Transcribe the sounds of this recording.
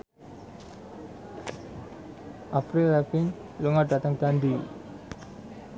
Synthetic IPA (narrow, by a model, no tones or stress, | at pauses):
ʔapɾilːɛfɪn | luŋada̤t̪əŋd̥and̪i